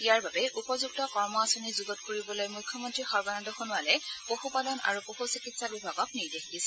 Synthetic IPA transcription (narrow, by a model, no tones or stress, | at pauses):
ijaɹbabɛʔupɔzuktɔkɔɹmɔasonizuɡɔt̚koɹibɔlojmujkʰːɔmɔntɹixɔɹbanɔndɔxonualɛpoxupalɔna̰ɹupoxusikitsabibʱaɡɔk̚niɹdexdisɛ